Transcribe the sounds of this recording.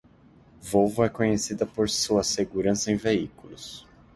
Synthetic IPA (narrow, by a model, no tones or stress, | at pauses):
vowvʊɛkõɲesid̪ɐpoɾsuɐseɡuɾɐ̃sɐẽj̃veikulʊs